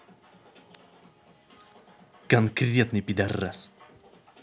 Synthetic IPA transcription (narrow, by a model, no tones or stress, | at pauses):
kankɾiat̪nipid̪ɛra̰s